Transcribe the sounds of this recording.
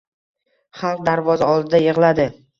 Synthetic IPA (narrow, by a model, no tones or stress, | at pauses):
χalˠq̚d̪aɾvɒzaɒlˠd̪ɪd̪ajeʁlad̪ɪ